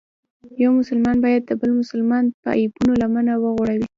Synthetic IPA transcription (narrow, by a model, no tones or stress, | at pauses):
jawmʊsʊlmɑnbɑjad̪̚ːəbəlmʊsʊlmɑnpəa̰jibunolamanawəɣoɽawi